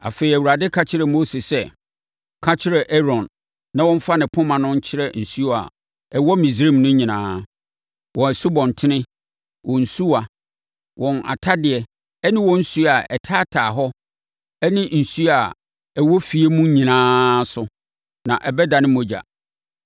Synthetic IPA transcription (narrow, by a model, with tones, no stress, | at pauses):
a̰˨fe˨ɪ˨æ˨wu˨ɾa˨dɪ˦kʰa˦t͡ɕʰɪ˦ɾɛ˨mo˦se˨sɛ˦ | kʰa˦t͡ɕʰɪ˦ɾɛ˨ʔɛ˦ɾɔ̃˨nː | ã˨˦wɔ̃˦ɱ̩˦fa˦nɪ̃˨pʰʊ̃˦mã˨nʊ̃˦ɲ̩˦t͡ɕʰɪ˦ɾɛ˦n̩˨su˦˨a̰˨ | ɛ˨wɔ˦mĩ˨s̬ɾẽ˦˨mnʊ̃˦ɲĩ˨nãː˦ | wɔ̃˨ɛ˨su˦bɔ̃˨n˨tʰɪ˦nɪ̃˦ | wɔ̃˨n̩˨su˦a˨ | wʔɔ̃˨na̰˨tʰa˦dɪ˨ɛ˨ | ɛ˦nɪ̃˦wɔ̃˦n̩˦su˦a˨ʔɛ˨tʰaː˦tʰaː˨ɦɔ˦ | ɛ˦nɪ̃˦n̩˨su˦a˨ | ɛ˨wɔ˦fi˨e˦mũ˦ɲĩ˨nãː˦sʊ˨˦ | nã˨ʔɛ˨bɛ˦da˨nɪ̃˦mo˦d͡ʑa̰˨